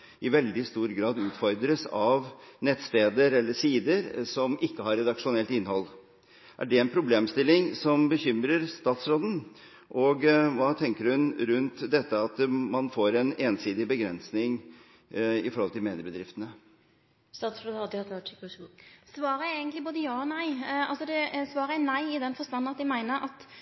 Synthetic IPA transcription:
ɪʋɛld̪ɪst̪uːɾɡɾɑːd̪ʉːt̪fɔɾd̪ɾəsɑʋnɛt̪st̪eːd̪əɾɛlːəsiːd̪əɾsɔmʔɪkːəhɑɾɛd̪ɑkʂʊnɛlt̪ɪnːhɔlː | ʔæ̰ɖɛɛnpʰɾʊbleːmst̪ɪlːɪŋsɔmbəçʏmɾəɾst̪ɑːt̪sɾoːd̪ən̩ | ʔɔɡʋɑːt̪ʰɛŋkəɾhʉnɾʉnt̪d̪ɛt̪ːəɑt̪mɑnfoːɾɛneːnsiːd̪ɪbəɡɾɛnsnɪŋ | ɪfɔɾhɔlt̪ɪlmeːnɪəbəd̪ɾɪft̪ənə | st̪ɑːt̪sɾod̪hɑd̪hɑt̪ːʈɪksʋɑːɾəeɪɡənt̪lɪboːd̪əjɑːɔnæɪɑlsɔd̪ɛsʋɑːɾəɛnæɪɪd̪ɛnfɔʁst̪ɑnːn̩ɑt̪̚d̪ɛɪmæɪnəɾʔɑt̪

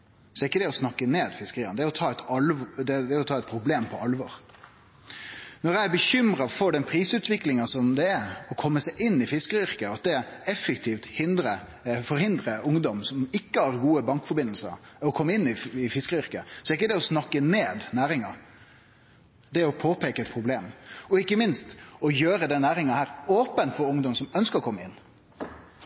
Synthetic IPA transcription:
sɔɛɾɪkːəd̪ɛɔsnɑkːəneːd̪fɪskəɾiːənəd̪ɛæɾɔt̪ʰɑːɛt̪ɑld̪ɛd̪ɛɾɔt̪ʰɑːɛt̪pʰɾʊbleːmpʰɔɑlʋɑɾ | nɔɾjæɪæɾbəçʏmɾɑfɔɖ̪ɛnpʰɾiːsʉːt̪ʋɪklɪŋɑsɔmd̪ɛæɾɔkʰɔmːəsæɪʔɪnːɪfɪskəɾʏɾkəɑt̪̚d̪ɛɛfːəkt̪ʰiːft̪hɪnd̪ɾə | fɔɾhɪnd̪ɾəʔʊŋd̪ɔmsɔmɪkːəhɑɾɡuːəbɑŋkfɔɾbɪnəlsə̰ɾɔkʰɔmːəɪnːɪɪfɪskɾʏɾkəsɔɛɾɪk̬ːəd̪ɛɔsnɑkːəneːd̪næːɾɪŋɑ | d̪ɛɔpʰoːpʰeːkəɛt̪̚pʰɾʊbleːmɔɪkːəmɪnst̪ɔjøːɾəd̪ɛnːæːɾɪŋɑhæːɾoːpənfɔɾʊŋd̪ɔmsɔmœnskəɾɔkʰɔmːəɪ̰nː

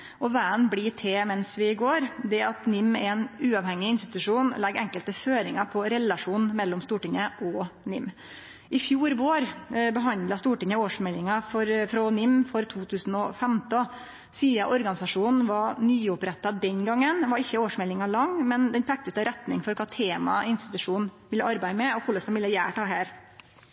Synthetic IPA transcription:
ʔɔʋæːənbliʈ̪ʰeːmɛnsʋɪɡoːɾd̪ɛɑt̪nɪmːɛɛnʉːɑʋhɛŋːɪɪnst̪ɪ̥t̪ʉʂuːnlɛɡɛŋkəlt̪əføːɾɪŋɑpʰɔɾɛlɑʂuːnmɛlːɔmst̪uːʈɪŋəʔɔnɪmː | ʔɪfjuːɾboːɾbəɦɑnd̪lɑst̪uːʈɪŋəoːʂmɛlɪŋɑfɔɾfɾɔnɪmːfɔɾt̪ʰuːt̪ʰʉːsn̩ɔfɛmt̪ɔ | siːɑʔɔɾɡɑnɪsɑʂuːnn̩ʋɑnyːʊpɾɛt̪ːɑd̪ɛnɡɑŋːənʋɑɾɪçːəoːʂmɛlːɪŋɑlɑŋːmɛnd̪ɛnpʰɛk̚t̪ʉt̪əɾɛt̪nɪ̰ŋfɔɾkʰɑːt̪ʰeːmɑ̰ɪnst̪ɪ̥t̪ʉʂuːnnʋɪlːəɑɾbæɪmɛɔkʰʊɭəsɔmʋɪlːəjæ̰ːʈʰɑːɦæːɾ

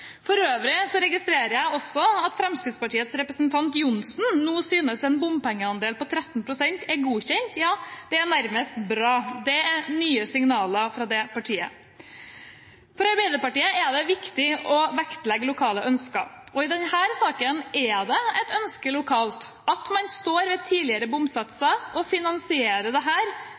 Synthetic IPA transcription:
fɔɾøːʋɾɪsɔɾɛɡɪst̪ɾeːɾəɾjæɪɔsːɔɑt̪fɾɛmskɾɪt̪spɑʈiːət̪sɾɛpɾəsnt̪ʰɑnt̪jʊnsn̩nuːsyːnəsɛnbʊmpɛŋːəɑnd̪eːlpɔt̪ʰɾɛt̪ːnpʰɾʊsɛnt̪ɛɾɡuːçɛnt̪jɑːd̪̥ɛænæɾməst̪bɾɑːd̪ɛænyːəsɪŋnɑːləfɾɑd̪ɛpɑʈʰiːə̰ | fɔɾɑɾbæɪd̪əɾpɑʈiːəæɖɛʋɪkt̪ɪʔɔʋækt̪lɛɡːlʊkʰɑːləʔœnskɑɔɪd̪ɛnhæːɾsɑːkənʔɛd̪ɛɛt̪œnskəlʊkʰɑːlt̪ | ɑt̪mɑnst̪oːɾʋɛt̪ʰiːlɪəɾəbʊmsɑt̪sɑʔɔfɪnɑnsɪeːɾəɖ̪ɛɦæːɾ

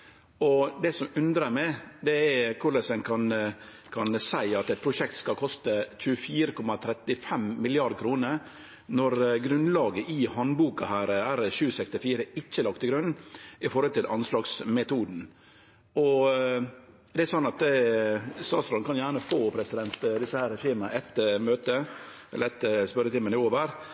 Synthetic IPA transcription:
ɔd̪ɛsɔmʉnd̪ɾəmæɪd̪ɛɛkʰʊɾlɛsɛnkʰɑn | kʰɑnsæɪɑt̪ɛt̪̚pʰɾʊʃɛk̚t̪skɑkʰɔst̪əc͡çʉːəfiːɾəkʰɔmɑt̪ʰɾɛt̪ːɪfɛmːɪlɪɑɾd̪̚kʰɾuːnəɾ | nɔɾɡɾʉnlɑːɡəʔɪhɑnbuːkɑhæːɾæɾʃʉːsɛkst̪ɪfiːɾəɪt͡ʃːəlɑkt̪ɪɡɾʉnɪfɔɾhɔlt̪ɪlʔɑnslɑːɡsmɛt̪uːd̪n̩ | ɔ | d̪ɛæsɔnːɑt̪ | sɑːsɾɔnkʰɑnjæːɳəfoːpʰɾɛsɪd̪ɛnt̪d̪ɪsːəhæːɾɛʂiːmənɛt̪møːt̪əɛ̰lːəɾɛt̪ːspœɾət̪ɪmːənɪoːʋəɾ

